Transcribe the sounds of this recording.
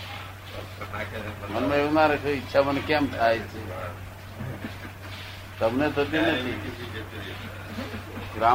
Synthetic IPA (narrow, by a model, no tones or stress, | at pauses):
mənmeenaɾəkʰeitːʃʰamənkeəmʈʰaɛt͡ʃʰe | səbʱnet̪ʰot̪inət̪ʰi | ɡɾa